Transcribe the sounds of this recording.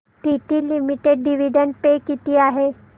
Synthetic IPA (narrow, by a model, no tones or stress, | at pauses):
ʈiʈ̪iːlimiʈeɖɖiʋiɖəɳʈ̚pekit̪iːaɦe